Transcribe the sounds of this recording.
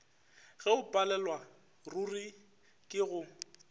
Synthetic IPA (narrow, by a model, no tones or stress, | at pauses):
ɣɛʊpʼalɛlwa | ruri | kʼɪɣʊ